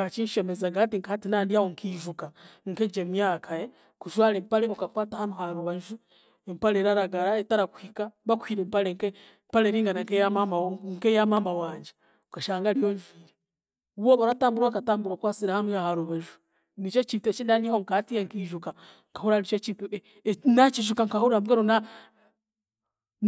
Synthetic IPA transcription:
at͡ʃiʃemezaɡatiŋkaatinaːndiahoŋkʰiʒukaŋ̩ked͡ʒemjaːkʰaje | kuʃwaːlempaleβokakwaːtahanuhaɾuβaʒu | empaleɾaɾaɡaɾaetaɾaku̥hikaβakwhiɾempaleŋke | mpaleɾiːŋɡanaŋkejamamaŋkejamamawaːɲɟe | okaʃaːŋɡaɾijoːɲʒiːɾe | uβoβaɾataːmbuɾwakataːmbuɾwakwaːt͡siɾahanuhahaɾuβaʒu | nit͡ʃot͡ʃitet͡ʃindanihoŋkatijeŋkiʒuka | ŋkahuɾanit͡ʃot͡ʃit | nat͡ʃiʒukaŋkahuɾamɡeɾona

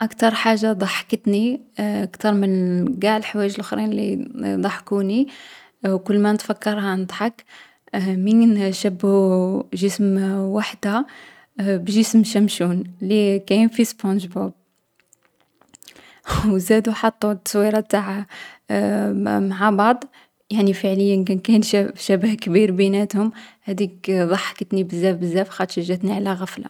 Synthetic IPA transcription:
ʔakt̪ɑɾˤħaʒːad̪ˤɑħkət̪niʔəkt̪ɑɾˤmənɡaʕəlħwæjəʒəlʔʊxɾinlid̪ˤɑħkuni | wkʊlːmænət̪fækːɑɾˤhanəd̪ˤħɑk | minʃæbuʒəsmwaħd̪æ | bʒəsmʃæmʃunlikæjnfispɑ̃nʒbub̚ | wzæd̪uħɑt̪ˤːut̪ːsˤwiɾˤɑt̪aʕa | maʕabɑʕd̪ˤ | jaʕnifəʕləjːənkænkænʃæbhkbiɾbinæt̪hʊmhæd̪ikðˤɑħːɑ̥kət̪nibəzːæfbəzːæfxɑt̪ʃəʒːæt̪niʕlæɣæfla̰

